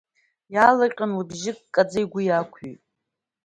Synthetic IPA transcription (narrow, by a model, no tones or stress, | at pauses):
jalaqʲʼanlabʒɪkʼkʼːad͡zajɡʷʊjakʷʰḭtʼ